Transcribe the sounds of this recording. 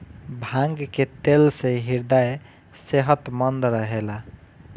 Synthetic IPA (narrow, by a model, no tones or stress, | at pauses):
bʱãŋɡket̪elseɦiɾd̪ae | seɦət̪mənd̪ɾəɦela